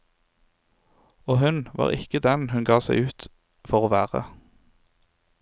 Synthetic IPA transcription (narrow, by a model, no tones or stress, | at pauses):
oːhʉnʋɑ̰ːʁɪkəd̪ɛnhʉnɡɑːsæɪʉːt̪ | fɔʁoːʋæːʁə̰